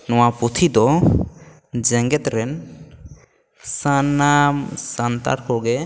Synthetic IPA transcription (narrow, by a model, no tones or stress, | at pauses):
nɔ̃waput̪ʰid̪ɔ | d͡ʒɛŋɡɛt̪ɾɛn | sanːamsant̪a̰ɾkɔɡɛ